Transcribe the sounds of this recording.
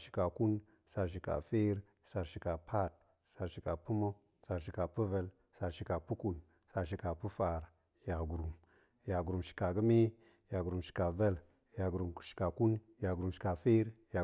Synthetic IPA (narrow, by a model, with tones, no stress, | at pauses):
ʃi̥˨ka˨ku˦n | sa˨ɾʃ̬i˨ka̰˨fe˦ɾ | sa˨ɾʃi˨ka˨pʰa˦˨t̚ | sa˨ɾʃi˨ka˨pu˦mo˦ | sa˨ɾʃi˨ka˨pu˦və˦l | sa˨ɾʃi˨ka˨pu˦ku˨n | sa˨ɾʃ̬i˨ka˨pu˦fa˨ɾ | ja˨ɡu˨ɾu˨m | ja˨ɡu˨ɾu˨mʃi̥˨ka˨ɡə˦me˦ | ja˨ɡɾu˨mʃi̥˨ka˨ve˦l | ja˨ɡu˨ɾu˨mʃi̥˨ka˨ku˦n | ja˨ɡu˨ɾu˨mʃi̥˨ka˨fe˦ɾja˨